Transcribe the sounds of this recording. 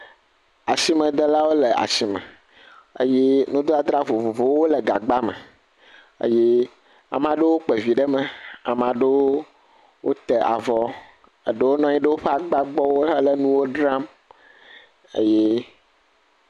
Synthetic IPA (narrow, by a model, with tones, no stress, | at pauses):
a˨si˦mɛ̃˨d̪e˦la˦wo˦le˨a̰˨si˨mɛ̰̃˨ | ə̰˦je˦nũ˦d̪o˦a˨d̪ɾa˦vo˨vo˨vo˦wo˦le˨ɡa˨ɡ͡ba˦mɛ̰̃˨ | ə̰˦je˦ | a̰˨mã˨ɖe˦wo˦k͡pe˨vi˨ɖə˦mɛ̃˨a̰˨mã˨ɖe˦woo˦ | wʔo̰˦t̪ɛ˨ʔa̰˨vɔ˦ | ə̰˨ɖe˦wo˦nɔ̃˦ɲĩ˦ɖe˦wo˦ɸe˦a˨ɡ͡ba˦ɡ͡bɔ˦wo˦ɦlə˦nũ˦wo˦ɖɾa˦m | ə̰˦je˦